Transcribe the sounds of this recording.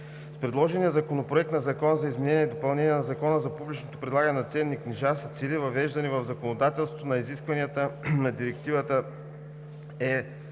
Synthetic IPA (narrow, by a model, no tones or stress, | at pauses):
spɾɛd̪lˠɔʒɛniəzɐkonopɾoɛk̚t̪nɐzɐkɔnəzɐizmɛnɛniɛid̪opɐlˠnɛniɛnɐzɐkɔnəzɐpublʲit͡ʃnot̪o̥pɾɛd̪lˠaɡənɛnɐt̪sɛnːikniʒasi̥t̪silivɐvɛʒd̪ɐnivɐvzɐkonod̪at̪ɛlˠst̪o̥t̪onɐiziskvɐniət̪ənɐd̪iɾɛk̚t̪ivət̪ə | ɛ